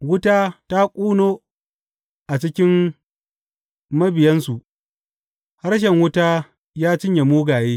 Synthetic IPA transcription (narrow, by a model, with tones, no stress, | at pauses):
wʊ˦taː˦ta˦kʷʼuː˦noː˦ | ʔa˨t͡ʃɪ˦kʲɪ˦m | mɐ˦bɪ˨jɐ˦nsu˨ʔ | ha˦ɾʃ̬ɛ˨ŋwʊ˦taː˦ | jaː˦t͡ʃɪ˦ɲje˨muː˦ɡaː˨jeː˦